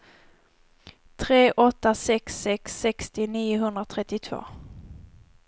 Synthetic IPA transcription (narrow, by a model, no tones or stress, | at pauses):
t̪ʰɾeːʔɔt̪ːasɛksːɛksːɛkst̪ɪniːʊɦɵnd̪ɾat̪ʰɾɛt̪ːɪt̪ʰv̥o̰ː